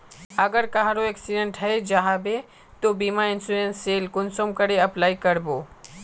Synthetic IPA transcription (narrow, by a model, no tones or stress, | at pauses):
ɐɡəɾkaɦaɾoeksiɖẽɳʈɦɛed͡ʒaɦabe | t̪obiːmaɪnsuɾẽnsːeːlkʊnsoːmkɐɾeɐplaːikɐɾboː